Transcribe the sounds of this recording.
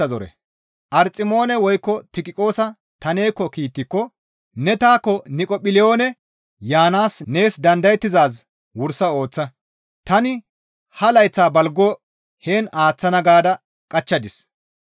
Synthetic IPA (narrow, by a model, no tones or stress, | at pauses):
ɐzɔɾɛ̰ | ʔɐɾt͡sʼɪmo̞ːnɛwɔjkːɔt̪ɪkʼɪkʼo̞ːsɐ | t̪ɐne̞ːkːɔkiːt̪ːɪkːɔ | nɛt̪aːkːɔnɪkʼɔpɪlɪo̞ːnɛ | jaːnaːsne̞ːsd̪ɐnd̪ɐjɛt̪ːɪzaːs̬ | wʊɾsɐo̞ːt͡sːɐ | t̪ɐnɪ | hɐlɐjt͡sːaːbɐlɡɔː | he̞ːnaːt͡sːɐnɐɡaːd̪ɐ | kʼɐt͡ʃːɐd̪ɪs